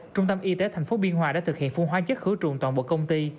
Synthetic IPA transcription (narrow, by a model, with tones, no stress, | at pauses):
t͡ɕʊ˧ŋ͡mt̪ə˧mʔi˧t̪e˨˦t̪ʰɛ˨˩jŋ̟fo˨˦ɓi˧ənɦwaː˨˧˩a̰ː˧˥t̪ɨ˨˩k̚hḭ˧˨ənfu˧ŋɦwaː˧t͡ɕə˦˥t̚xɨ˨˦t͡ɕʊ˨˩ŋ͡mt̪waː˨˩nɓo̰˧˨kə˧wŋ͡mt̪i˧